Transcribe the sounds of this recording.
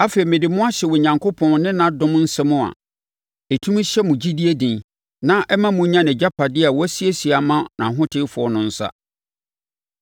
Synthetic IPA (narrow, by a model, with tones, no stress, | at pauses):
a˦fe˨i˨mɪ̃˨dɪ˨mʊ̃˦a˦ɕɛ˨wɔ˨ɲã˨ŋkʰo˦pʰɔ̃˨nnɪ̃˦nã˨dʊ̃˦m˦n̩˦sɛ˦mʊ̃˦a̰˨ | e˨tʰũ˦m˦ɕɛ˦mʊ̃˨d͡ʑi˦di˦e˦dĩ˨n | nã˦ʔɛ˦mã˦mũ˨˦ɲã˦nɪ̃˨d͡ʑa˦pʰa˨dɪ˦a˨wɔ˦æ˦si˦e˦si˨a˨mã˦nã̰˨ɦʊ̃˦tʰɪ˦fʊ˨ɔ˨nʊ̃˨n̩˦sa̰˦